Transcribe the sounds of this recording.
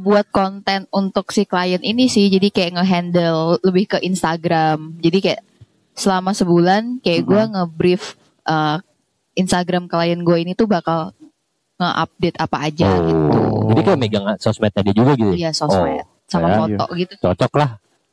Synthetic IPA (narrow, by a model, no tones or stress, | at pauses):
buat̪̚kont̪ɛnunt̪ʊksɪhkəlajəninisɪhd͡ʒadikajaʔŋəɦɛndəlːəbɪhkəʔinst̪aɡɾamd͡ʒadikaja̰ʔ | səlamasəbulankajaʔɡuaŋəbɾɪf | ʔə | inst̪aɡɾamkəlajənɡuainit̪ubakal | ŋəʔa̰p̚det̪apaːd͡ʒa̰ɡit̪ṵd͡ʒadikajaʔmeɡaŋasɔsmɛt̪adid͡ʒuɡaɡit̪ujasɔmɛ̰t̪̚samamot̪ɔ̰ʔɡit̪ut͡ʃɔt͡ʃɔklah